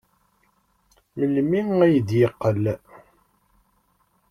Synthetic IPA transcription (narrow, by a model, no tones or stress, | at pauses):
məlmiŋæjd̪jəqːəl